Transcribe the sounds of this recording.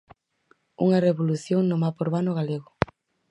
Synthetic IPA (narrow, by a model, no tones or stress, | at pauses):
ṵŋɐreβoluθjoŋnomapoɾβanoɣaleɣʊ